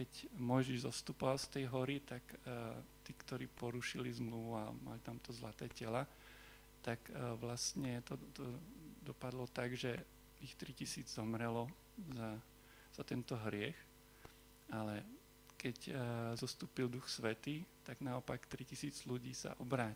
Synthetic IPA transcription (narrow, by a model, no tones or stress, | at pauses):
kɛcmɔjʒiʒzɔst̪uːpɔʋalst̪ɛjɦɔɾit̪ak | t̪iːkt̪ɔɾiːpɔɾuʃilizmluʋua̰ma̰lit̪amt̪ɔzlat̪ɛːcɛla | t̪akʋlast̪ɲɛt̪ɔt̪ɔd̪ɔpad̪lɔt̪aɡʒɛ | ixt̪ɾicisiːd͡zzɔmɾɛlɔ | za | z̥at̪ɛnt̪ɔɦɾɪɛx | alɛ | kɛczɔst̪uːpild̪uxsʋɛt̪iːt̪aɡnaɔpakt̪ɾicisiːd͡zluɟiːsa̰ʔɔbɾaː